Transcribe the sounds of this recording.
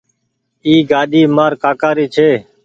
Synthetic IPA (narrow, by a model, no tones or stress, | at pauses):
iːɡaːɗiːmaːɾkaːkaːɾiːt͡ʃʰeː